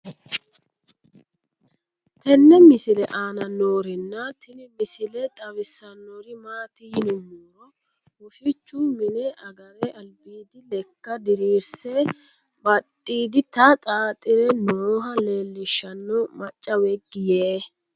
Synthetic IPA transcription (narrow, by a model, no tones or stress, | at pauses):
t̪ɛnːɛmɪsɪlɛʔaːnɐnoːɾɪnːɐt̪ɪnɪmɪsɪlɛt̪ʼɐwɪsɐnːɔɾɪmaːt̪ɪjɪnʊmːoːɾɔ | hʊʃɪt͡ʃːʊmɪnɛʔɐɡɐɾɛʔɐlbiːd̪ɪlɛkːɐd̪ɪɾiːsɛ | bɐtʼːiːd̪ɪt̪ɐt̪ʼaːt̪ʼːɪɾɛnoːɦɐle̞ːlːɪʃːɐnːɔmɐt͡ʃʼːɐwɛɡɪjeː